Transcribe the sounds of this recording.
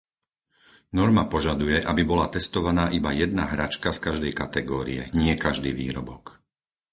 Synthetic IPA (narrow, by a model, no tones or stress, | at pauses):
nɔɾmapɔʒad̪ujɛʔabibɔlat̪ɛst̪ɔʋanaːʔibajɛd̪̚naɦɾat͡ʃkaskaʒd̪ɛjkat̪ɛɡɔːɾḭjɛ̰ɲɪɛkaʒd̪iːʋḭːɾɔbɔk